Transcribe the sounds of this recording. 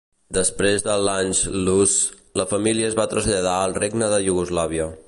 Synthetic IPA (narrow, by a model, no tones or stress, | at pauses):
d̪əspɾezðəlˠaɲzlus | ləfəmiliəːzβat̪ɾəzʎəð̞aəlˠreɡnəðəʒuɣuzlaβ̞iə